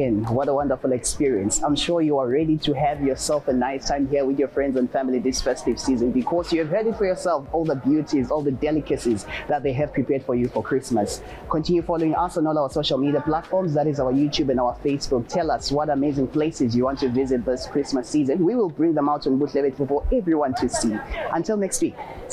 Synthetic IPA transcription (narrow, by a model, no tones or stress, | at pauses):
ɛ̃nwʌɾəwʌ̃ndə˞fulˠɛkspiɹiɨ̃nsãɪ̃mʃɔɹjuaɹɛɾitʰuævjɔ˞sɛlˠfənːaɪstʰãɪ̃mɦiəwɪðjɔ˞fɹɛ̃ndzɨ̃nfæmliðɪsfɛstiv̥sizə̃nbikʰɔzjuɨv̥ɦɜ˞ɾɪtfɔɹjəsɛlˠfɔlˠðəbjuɾizɔlˠðədɛlɪkɨsizðət̪̚ðeɪɨv̥pʰɹ̥ipʰɛɹd̥fə˞jufɔ˞kʰɹ̥ɪsməs | kʰɔ̃ntʰɪ̃njufɔloɪ̃ŋʔasə̃nɔlˠaʊə˞soʊʃəl̩ˠmiɾiəpl̥atfɔɹmzðæɾɪzaʊə˞jutʰubɨ̃naʊə˞feɪsb̥uk̚tʰɛlaswɔɾəmeɪzɪ̃ŋpʰl̥esɪzjuwɑ̃ntʰuvɪzɪt̪̚ðɪskʰɹ̥ɪsməsizə̃nwiwɪlˠbɹɪ̃ŋðɛ̃maʊtɨ̃nbutʰlɛvɪtfəfɔʔɛvɹiwʌ̃ntʰusiʔə̃ntʰɪlˠnɛkstwik